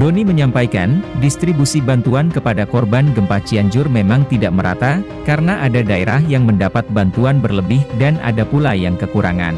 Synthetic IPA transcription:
doniməɲampajka̰ndist̪ɾibusibant̪uankəpadakɔrbanɡəmpat͡ʃiaɲd͡ʒʊrmemaŋt̪idaʔməɾa̰t̪a | kaɾənaʔadadaḛɾahjaŋməndapat̪̚bant̪uanbərləbɪhdana̰dapulajaŋkəkuɾʔa̰ŋa̰n

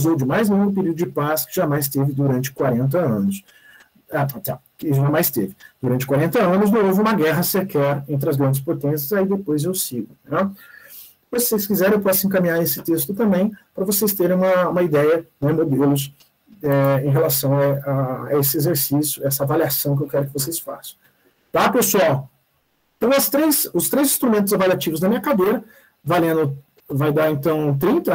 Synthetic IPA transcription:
zowd͡ʒɪmajzlẽɡɾʊp̬eɾid̪ʊd͡ʒɪpaskɪ̥ʒamajst̪evɪd̪uɾɐ̃nt͡ʃɪ̥kwaɾẽnt̪̬ɐɐ̃nʊs | aat̪a | kɪʒamajst̪evɪd̪uɾɐ̃nt͡ʃɪ̥kwaɾẽnt̪ɐɐ̃nʊs̬nẽw̃ovɪũmɐɡɛɦɐsekɛɾẽnt̪̬ɾɪɐzɡɾɐ̃nd͡ʒɪspot̪ẽsjɐzaid̪epojzewsiɡʊnɛ | vossejskizɛɾẽpɔsʊẽkɐmĩɲaɾesɪ̥t̪est̪ʊt̪ɐ̃mbẽj̃pɾɐvosejst̪eɾẽũmɐũmɐid̪ɛjɐnɛmod̪elʊs̬ | ɛẽj̃ɦelasɐ̃w̃aaa̰esɪezeɾsisjʊɛsɐavaliasɐ̃w̃kɪewkɛɾʊkɪvos̬ejsfa̰sɐ̃w̃ | t̪apesuaw | ẽt̪ɐ̃w̃ɐst̪ɾejsʊst̪ɾejzĩst̪ɾumẽnt̪ʊzavaliat͡ʃivʊznɐmĩɲɐkad̪ejɾɐ | valẽnʊ | vajd̪aɾẽnt̪ɐ̃w̃t̪ɾĩnt̪ɐ

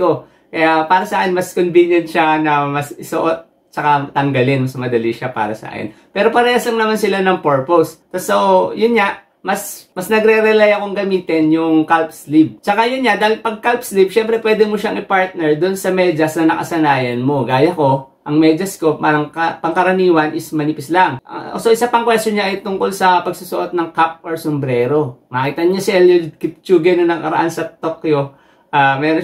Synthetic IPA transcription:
ko̞ | kɐjapaːɾɐsɐʔakɪnmɐskonvinjɛnʃanɐmɐsɪsoʔot̪̚ | t͡ʃɐkat̪ɐŋɡɐlɪnmɐsmɐd̪ɐliʃapa̰ːɾɐsɐa̰kɛ̰npɛːɾo̞pɐɾɛːhɐslɐŋnɐmansɪlanɐŋpoɹpost̪t̪ɐsojʊnɲaʔ | mɐsmɐsnɐɡɾɛɾɛlɛjɐko̞ŋɡɐmiːt̪ɛnjʊŋkalp̚slib̚t͡ʃɐkajonɲad̪aːhɪlnpɐɡ̚kalpslib̚ʃɛmpɾɛpwɛːd̪ɛmoʃaɐŋɪpaɹt̪̚nɛɹd̪onsɐmɛd͡ʒɐsnɐnɐkɐ̰sɐnaːjɐnmo̞ɡaːjɐko̞ | ʔɐŋmɛd͡ʒɐsko̞aɐŋkɐpɐŋkɐɾɐniːwɐnʔɪsmɐnipɪslaŋʔɐ̰osoʔɪsapɐŋkwɛst̪oɲaʔɐjt̪ʊŋko̞lsɐpɐɡ̚susʊʔot̪̚nɐŋkap̚ʔɐɹsombɾɛːɾo̞mɐkit̪ɐnɲasɛljʊɡɪp̚t͡ʃuːɡɛnonɐŋkɐɾɐ̰ʔansɐt̪okjo | ʔamɛːɾo

